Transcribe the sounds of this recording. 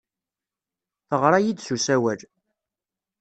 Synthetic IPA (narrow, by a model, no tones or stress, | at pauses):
θəʁɾˤajid̪susæwæl